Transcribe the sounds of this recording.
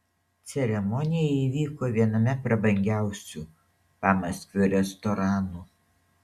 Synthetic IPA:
t̪sʲɛɾʲɛmɔnʲɪjɛiːʋʲiːkoːʋʲiɛnɐmʲɛpɾɐbɐŋʲɡʲæˑʊsʲuː | pɑmɐsʲkʲʋʲʊɾʲɛst̪ɔɾɑːnuː

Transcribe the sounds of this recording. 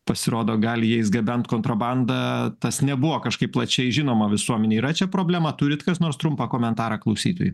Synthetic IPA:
pɐsʲɪɾoːd̪oːɡɐlʲjɛɪsɡɐbʲɛnt̪koːnt̪ɾɐbɑnd̪ɐt̪ɐsnʲɛbʊʋoːkɐʃkɐɪpːlˠɐt͡ʃʲɛɪʒʲɪnoːmɐʋʲɪsuɔmʲɛnʲeːiɾɐt͡ʃʲɛpɾoːbʲlʲæːmɐt̪ʊɾʲɪt̪kɐsnoːɾst̪ɾʊmpɐkoːmʲɛnt̪ɑːɾɑklˠɐʊsʲiːt̪o̰ːjʊ

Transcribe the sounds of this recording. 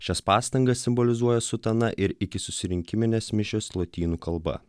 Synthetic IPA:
ʃʲɛspɑːst̪ɐŋɡɐsːʲɪmbɔlʲɪzuɔjɛsʊt̪ɐnɐʔɪɾɪkʲɪsʊsʲɪɾʲɪŋʲkʲɪmʲɪnʲeːsmʲɪʃʲoːslˠoːt̪ʲiːnuːkɐlˠbɐ̰

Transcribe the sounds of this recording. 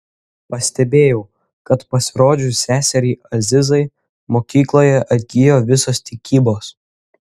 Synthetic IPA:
pɐsʲt̪ʲɛbʲeːjɛʊ | kɐt̪pɐsʲɪɾoːd͡ʒʲʊsʲæːsʲɛɾʲiːɐzʲɪzɐɪ | moːkʲiːklˠoːjɛʔɐd̪ʲɡʲɪjoːʋʲɪsoːst̪ʲɪkʲiːboːs

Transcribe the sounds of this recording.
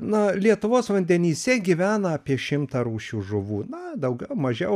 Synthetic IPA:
nɐlʲiɛt̪ʊʋoːsʋɐnʲd̪ʲɛnʲiːsʲɛɡʲiʋʲæːnɐɐpʲiɛʃʲɪmt̪ɐɾuːʃʲuːʒʊʋuːnɐd̪ɐʊɡʲɛʊmɐʒʲɛʊ

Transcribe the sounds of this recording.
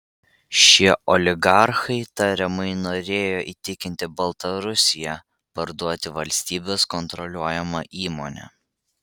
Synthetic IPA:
ʃʲiɛʔɔlʲɪɡɑɾxɐɪt̪ɐɾʲɪmɐɪnoːɾʲeːjoːʔiːt̪ʲɪkʲɪnʲt̪ʲɪbɐlˠt̪ɐɾʊsʲɪjæ | pɐɾd̪uɔt̪ʲɪʋɐlʲsʲt̪ʲiːbʲoːskɔnt̪ɾɔlʲuɔjɛmɐʔiːmonʲɛ̰

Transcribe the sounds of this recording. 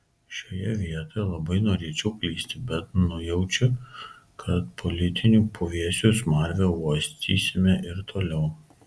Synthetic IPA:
ʃʲoːjɛʋʲiɛt̪oːjlˠɐbɐɪnoːɾʲeːt͡ʃʲɛʊkʲlʲiːsʲt̪ʲɪbʲɛt̪nʊjɛʊt͡ʃʲʊ | kʰɐt̪pʰɔlʲɪt̪ʲɪnʲuːpʰoʋʲiɛsʲuːsmɐɾʲʋʲooːsʲt̪ʲiːsʲɪmʲɛʔɪɾt̪ʰoːlʲɛʊ

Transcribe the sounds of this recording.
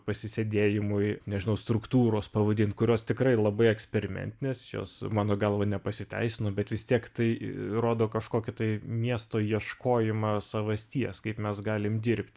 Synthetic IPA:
pɐsʲɪsʲed̪ʲeːjɪmʊjnʲɛʒʲɪnɐʊst̪ɾʊkt̪uːɾoːspɐʋɐd̪ʲɪnt̪̚kʊɾʲoːst̪ʲɪkɾɐɪlˠɐbɐɪɛksʲpʲɛɾʲɪmʲɛ̰nʲt̪ʲɪnʲeːsjo̰ːsmɑːnoːɡɐlˠʋɐnʲɛpɐsʲɪt̪ʲɛ̰ɪsʲɪnoːbʲɛt̪ʋʲɪst̪ʲiɛkt̪ɐɪroːd̪oːkɐʃkoːkʲɪt̪ɐɪmʲiɛst̪oːjiɛʃkoːjɪmɑːsɐʋɐsʲt̪ʲiɛskɐɪpmʲɛsɡɑːlʲɪmd̪ʲɪɾʲpʲt̪ʲ

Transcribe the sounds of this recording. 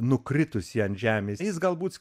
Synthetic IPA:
nʊkɾʲɪt̪ʊsjiːɐnt̪ʒʲæːmʲeːjɪsɡɐlˠbuːt̪s

